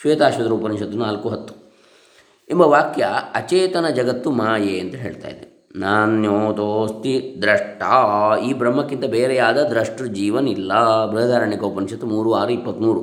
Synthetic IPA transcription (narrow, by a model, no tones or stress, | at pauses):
ʃʋeːt̪aːʃʋɐd̪ɾuːpɐniŋʃɐt̪unaːlkuɦɐt̪ːu̥ | imbɐʋaːkjɐɐt͡ʃeːt̪ɐnɐd͡ʒɐɡɐt̪ːumaːjeɐnt̪ɐɦeːɭt̪a̰ːjid̪e | naːnjoːt̪oːst̪id̪ɾɐʂʈʰaːiːbɾɐmːɐkːint̪ɐbeːɾɛjaːd̪ɐd̪ɾɐʂʈɾɐd͡ʒiːʋɐnilːɐbɾɐɐd̪ʱaːɾɐɳikɐupɐnĩʂʃɐt̪ːumuːɾuaːɾuipːɐt̪ːmuːɾu